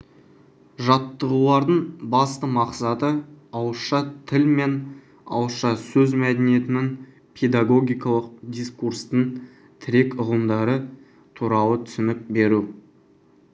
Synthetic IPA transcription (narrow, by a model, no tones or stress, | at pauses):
ʒɑt̪ːəʁəlˠɑɾd̪əɴbɑst̪əmɑqsɑt̪əɑwəsʃɑt̪ʰɪlme̞n | ɑ̰wəʃɑsɵzmæd̪enije̞t̪ɪnɪŋ | pʰe̞d̪aɡo̞ɡʲijkɑlˠəq̚d̪ijskuɾst̪əɴ | t̪ʰɪɾe̞kʊʁəmd̪ɑɾə | t̪ʰuɾɑlˠət̪ʰʏ̥sɪnɪk̚be̞ɾu